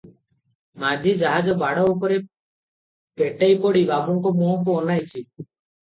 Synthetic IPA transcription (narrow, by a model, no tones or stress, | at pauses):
mad͡ʒid͡ʒaɦad͡ʒɔbaɽɔkɔɾe | peʈajpɔɽibabɔŋkɔmɔɦɔkuɔnajt͡ʃʰi